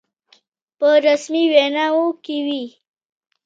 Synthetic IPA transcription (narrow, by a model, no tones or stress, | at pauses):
pəɾasmiwenaokewi